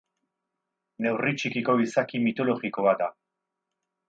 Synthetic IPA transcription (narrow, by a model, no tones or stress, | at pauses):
ne̞writ͡ʃikiko̞βisakimit̪o̞lo̞ɣiko̞βat̪d̪a